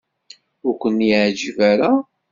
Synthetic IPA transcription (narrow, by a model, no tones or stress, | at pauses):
ʊɾkʷənjʕd͡ʒivæɾa